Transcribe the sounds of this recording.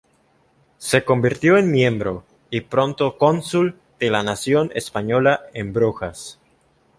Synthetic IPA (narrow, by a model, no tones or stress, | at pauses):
se̞ko̞mbiɾt̪jo̞enmjẽ̞mbɾo̞ | ipɾo̞nt̪oko̞nsul | d̪̥elanasjo̞nḛspaɲo̞laembɾoxas